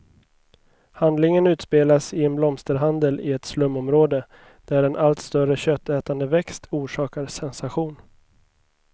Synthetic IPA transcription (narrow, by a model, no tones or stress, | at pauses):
hand̪lɪŋənʉ̟ːt̪speːlasɪɛnblɔmst̪əɾɦand̪əlɪɛt̪slɵmːɔmɾoːd̪ə | d̪̥æɾɛnʔalt̪st̪œɾəɕœt̪ʰːɛːt̪and̪əvɛkst̪ʰuːʂɑːkaɾsɛnsaɧuːn